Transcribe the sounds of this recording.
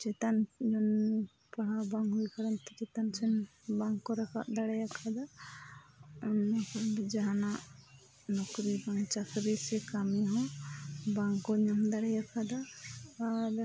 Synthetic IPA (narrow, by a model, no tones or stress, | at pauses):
t͡ʃɛt̪and͡ʒɔn | paɽabaŋɦujkaɾɔnt̪ɛt͡ʃɛt̪ansɛnbaŋkɔɾɛka̰ʔd̪aɽɛjakʰad̪a | nd͡ʒaɦanaʔ | nɔkɾibaŋt͡ʃakɾisɛkamɛɦɔ̃baŋkɔɲamd̪aɽɛjakʰad̪aad